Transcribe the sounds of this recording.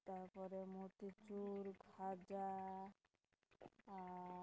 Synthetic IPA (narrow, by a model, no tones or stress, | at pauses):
t̪aɾpɔɾemut̪it͡ʃuɾɡʱad͡ʒa